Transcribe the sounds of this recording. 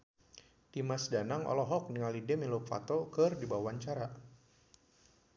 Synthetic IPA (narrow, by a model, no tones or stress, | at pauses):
timasdanaŋɔ̰lɔɦɔk̚niŋalidɛmilofa̰t̪ɔkɨrdibawaɲt͡ʃaɾa